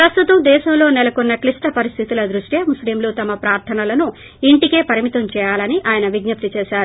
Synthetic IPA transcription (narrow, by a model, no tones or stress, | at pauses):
pɾɐst̪ut̪ɐmd̪ɛːʃɐmlo̞ːnɛlɐkonːɐklisʈɐpɐɾist̪ʰit̪ilɐd̪ɾuʂʈjeːmuslimloːt̪ɐmɐpɾaːɾt̪ʰɐnɐlɐnu | iɳʈike̞ːpɐɾimit̪ɐmt͡ʃɛːjaːlɐniʔaːjɐnɐʋiɡnɐp̚t̪it͡ʃɛːʃaːɾu